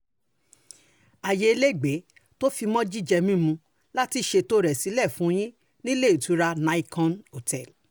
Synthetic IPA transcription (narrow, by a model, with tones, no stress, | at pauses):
a˨je˨˧e˧le˦˨ɡ͡be˨˦ | to˦fi˧mɔ̃˦d͡ʒi˦d͡ʒɛ˧mĩ˦mũ˧ | la˦ti˧˦ʃe˧to˦ɾɛ˨si˨˦lɛ˦˨fũ˨˦˧j̃ĩ˦ | nĩ˦le˦˨i˨tu˨˦ɾa˧nã˧i˧kɔ̃˧no˨tɛ˦˨l